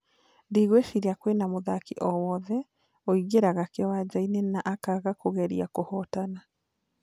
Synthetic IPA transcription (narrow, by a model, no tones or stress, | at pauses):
ndiɣweʃiɾiakwenamoðakiʔɔwɔðɛ | ɔiɣeɾaɣakeɔwad͡ʑainenaʔakaɣakoɣɛɾḭakohɔtana